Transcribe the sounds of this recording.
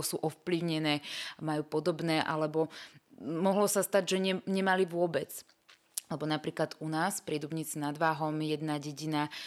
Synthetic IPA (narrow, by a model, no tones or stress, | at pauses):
sṵːʔɔfpliʊɲɛnɛːmajuːpɔd̪ɔbnɛːʔa̰lɛbɔ | mɔɦlɔsast̪aɟʒɛɲɛɲɛmaliʋʊɔbɛt͡s | lɛbɔnapɾiːklad̪unaːspɾɪɛd̪ubɲiːt͡sinad̪ʋaːɦɔmjɛd̪naɟɛɟina